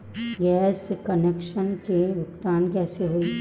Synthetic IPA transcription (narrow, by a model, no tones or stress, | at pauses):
ɡɛːskənekʃənkeʋʊkt̪aːnkɛːseɦui